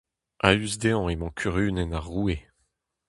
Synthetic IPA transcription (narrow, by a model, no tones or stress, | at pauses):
ʔayzd̪eɑ̃emɑ̃kʰyʁyːnɛnaʁːue